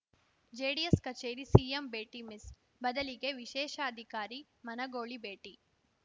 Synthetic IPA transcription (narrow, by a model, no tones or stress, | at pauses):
d͡ʒeːɽijeskɐt͡ʃeːɾisiːembeːʈimis | bɐd̪ɐliɡeʋiʃɛːʃɐɐd̪ʱikaːɾi | mɐnɐɡoːɭibeːʈi